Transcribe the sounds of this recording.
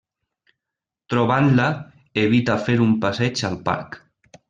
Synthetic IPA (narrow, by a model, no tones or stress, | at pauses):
t̪ɾoβanla | eβ̞it̪afeɾumpasɛt͡ʃalpa̰ɾk